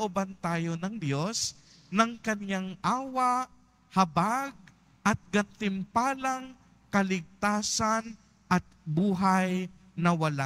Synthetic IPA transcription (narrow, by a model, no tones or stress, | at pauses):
ʔʊbɐnt̪aːjo̞nɐŋd̪jo̞s | nɐŋkɐnjaŋʔaːwɐʔ | hɐbaɡ̚ | ʔɐt̪̚ɡɐnt̪ɪmpaːlɐŋ | kɐlɪɡ̚t̪aːsɐn | ʔɐt̪̚buːɦɐj | nɐwɐla